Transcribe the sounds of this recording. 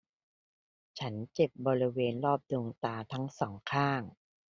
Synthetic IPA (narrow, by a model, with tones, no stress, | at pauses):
t͡ɕʰa˦˥nt͡ɕe˨˩p̚bɔː˧ɾi˦˥weː˧nlɔː˥˩p̚doː˧ŋt̪aː˧t̪ʰa˦˥ŋsɔː˩˦ŋkʰaː˥˩ŋ